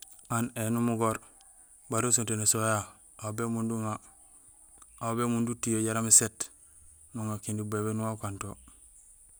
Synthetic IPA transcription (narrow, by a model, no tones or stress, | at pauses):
anenumuɡoɾ | baɾos̬untenesoja | awbemunduŋa | ubemundutijoɟaɾamiset | nuŋakindibebenuwakanto